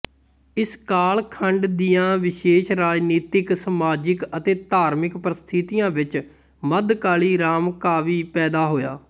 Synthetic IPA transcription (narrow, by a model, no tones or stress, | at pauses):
ɪskaːlkʰəɳɖd̪ijãːʋɪʃeːʃɾaːd͡ʒniːt̪ɪksəmaːd͡ʒɪkət̪eːt̪aːɾmɪkpɾɪst̪ʰit̪ijãːʋɪt͡ʃ | məd̪kaːliːɾaːmkaːʋiːpɛːd̪aːɦoːja̰ː